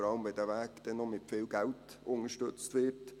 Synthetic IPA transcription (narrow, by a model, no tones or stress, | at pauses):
ɾɑlmʋedæʋæːkd̪̥ɛnɔmɪtfɪːlɡæltʊŋəʃtɵt͡st̪ʋɪt